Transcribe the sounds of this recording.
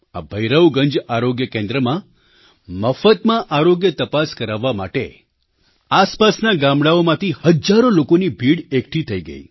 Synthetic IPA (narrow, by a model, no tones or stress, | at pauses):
a̰bʱəjɾəʋɡəɲd͡ʒaɾoɡjəkẽnd̪ɾəmã | məfət̪mãʔaɾoɡjət̪əpaskəɾaʋːama̰ʈe | aspasnaɡãmɽaomãt̪ihəd͡ʒaɾolokonibʱiɽekʈʰit̪ʰəiɡə̰ḭ